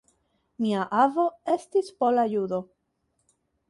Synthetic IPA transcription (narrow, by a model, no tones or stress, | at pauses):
miaʔavo̞e̞stispo̞lajudo̞